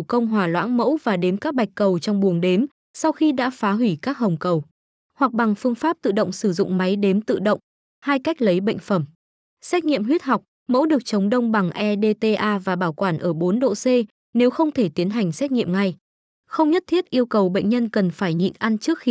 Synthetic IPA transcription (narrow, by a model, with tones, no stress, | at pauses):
kə˧wŋ͡mɦwaː˨˩lwa̰ː˧˥nmə̰˧˥wvaː˨˩ɗe˨˦mkaː˦˥k̚ɓa˨˩jk̟̚kːə˨˩wt͡ɕɔ˧wŋ͡mɓu˨˩əŋɗe˨˦m | sa˧wxi˧ɗa̰ː˧˥faː˨˦ɦwi˧˩kaː˦˥k̚ɦə˨˩wŋ͡mkə˨˩w | hwa˨˩k̚ɓa˨˩ŋfɨ˧əŋfaː˦˥p̚t̪ɨ̰˧˨ɗə̰˧˨wŋ͡msɨ˧˩zʊ̰˧˨ŋ͡mma˨˦jɗe˨˦mt̪ɨ̰˧˨ɗə̰˧˨wŋ͡m | haː˧jka˦˥jk̟̚lə˨˦jɓə̰˧˨ŋ̟fə˧˩m | sɛ˦˥t̚ŋḭ˧˨əmɦwi˦˥ət̚ɦa˨˩wk͡p̚ | mə̰˧˥wɗɨ˨˩ək̚t͡ɕə˨˦wŋ͡mɗə˧wŋ͡mɓa˨˩ŋʔɛ˧ɗe˧t̪e˧ʔaː˧vaː˨˩ɓaː˧˩wkwaː˧˩nʔəː˧˩ɓo˨˦nɗo̰˧˨se˧ | ne˨˦wxə˧wŋ͡mt̪ʰe˧˩t̪i˨˦ənɦa˨˩jŋ̟sɛ˦˥t̚ŋḭ˧˨əmŋa˧j | xə˧wŋ͡mɲə˦˥t̚t̪ʰi˦˥ət̚ʔi˧əwwkə˨˩wɓə̰˧˨jŋ̟ɲə˧nkə˨˩nfaː˧˩jɲḭ˧˨nʔa˧nt͡ɕɨ˦˥ək̚xi˧